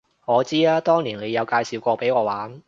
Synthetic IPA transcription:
ŋɔː˨˧t͡siː˥aː˥t̪ɔː˥ŋliː˨˩nle˨˧jɐ˨˧wkaː˧jsiː˨wkʷɔː˧pe˨˥jŋɔː˨˧waː˨˥n

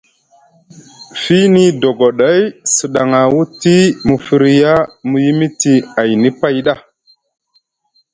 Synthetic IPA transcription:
fi˦ni˦do˨ɡo˨ɗa˦jsə˨ɗa˨ŋa˨wu˦ti˦mu˨fi˨ɾi˨ja˦mu˨ji˦mi˦ti˨a˨jni˦pa˦jɗa˦˨

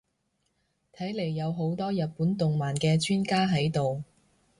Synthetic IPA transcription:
t̪ʰɐ˨˥jle˨˩jːɐ˨˧wɦo˨˥wt̪ɔː˥jɐ˨t̚puː˨˥nt̪ʊ˨ŋmaː˨˩nkɛː˧t͡ʃʰyː˥nkaː˥ɦɐ˨˥jt̪o˨w

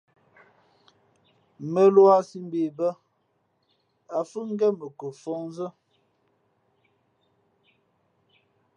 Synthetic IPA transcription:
mə˨lwa˦si˦m˦be˨bə˦ | a˨fə˦ŋ˦ɡɛ˦mə˨ko˨fɔ˦ŋn˦zə˦

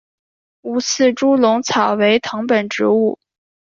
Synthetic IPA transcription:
u˧˥t͡sʰɹ̩˥˩ʈ͡ʂu˥lʊ˧˥ŋt͡sʰɑ˨˩ʊwe˧˥ɪt̪ʰɤ˧˥ŋpə˨˩nʈ͡ʂɻ̩˧˥u˥˩

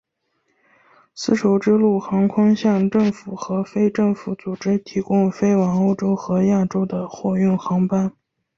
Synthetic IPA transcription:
sɹ̩˥ʈ͡ʂʰo˧˥ʊʈ͡ʂɻ̩˥lu˥˩xɑ˧˥ŋkʰʊ˥ŋɕjɑ˥˧ŋʈ͡ʂɤ˥˩ŋfu˨˩xɤ˧˥fe˥ɪʈ͡ʂɤ˥˩ŋfu˧˥t͡su˨˩ʈ͡ʂɻ̩˥t̪ʰi˧˥kʊ˥ŋfe˥ɪwɑ˧˥ŋo˥˩ʊʈ͡ʂo˥ʊxɤ˧˥ja˥˩ʈ͡ʂo˥ʊd̪ə˨xwɔ˥˧y˥˩nxɑ˧˥ŋpa˥n

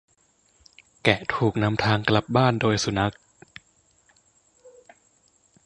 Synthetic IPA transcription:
kɛ˨˩ʔt̪ʰuː˨˩k̚na˧˥mt̪ʰaː˧ŋkla˧˦p̚baː˥˩ndoː˧jsu˨˧˩na˦˥k̚

